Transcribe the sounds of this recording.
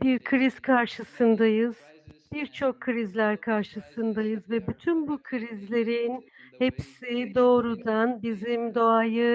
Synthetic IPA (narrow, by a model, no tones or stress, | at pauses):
biɾkʰɯɾiz̥kʰaɾʃɯsɯnd̪ajɯz̥biɾt͡ʃʰo̞kʰːɯɾizlʲæɾkʰaɾʃɯsɯnd̪ajɯzvɛbyt̪ʰynbukʰɯɾizlʲe̞ɾin | hepsid̪o̞ːɾud̪anbizimd̪o̞ajɯ